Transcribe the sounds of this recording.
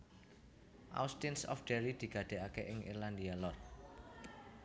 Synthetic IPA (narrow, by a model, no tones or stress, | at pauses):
ʔa̰wst̪insɔ̰fɖ̪̥e̤ɾid̪̥i̤ɡ̥ä̤d̪̥e̤ʔakeʔɪŋʔḭrland̪ialɔr